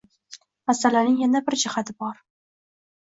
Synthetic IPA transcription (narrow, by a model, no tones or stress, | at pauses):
masalanɪŋjanabɪɾd͡ʒɪhat̪ʰɪbɒɾ